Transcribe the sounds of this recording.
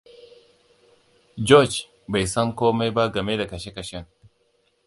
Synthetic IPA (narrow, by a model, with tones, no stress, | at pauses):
d͡ʒɔ˦˨d͡ʒ | ba˨jsɐ˦ŋkoː˦ma˦jba˦ɡɐ˨me˦da˨kɐ˨ʃe˦kɐ˨ʃɛ˦ŋ